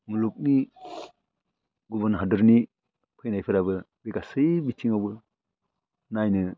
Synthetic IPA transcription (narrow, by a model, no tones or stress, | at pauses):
muluk̚ni | ɡubəɾnɦadɯɾni | pʰɯjnajpʰɯɾabɯ | beɡasɯjbitʰiŋawbɯ | najnɯ